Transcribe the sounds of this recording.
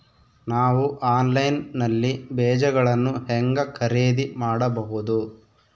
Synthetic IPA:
naːʋuʔaːnlɐjnnɐlːibɛːd͡ʒɐɡɐɭɐnːuhɛŋɡɐkʰɐɾeːd̪imaːɽɐbɐɦud̪u

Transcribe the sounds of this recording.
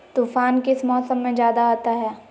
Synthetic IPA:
t̪uːfaːnkɪsmɔːsəmːẽd͡ʒjaːd̪aɦoːt̪aɦɛː

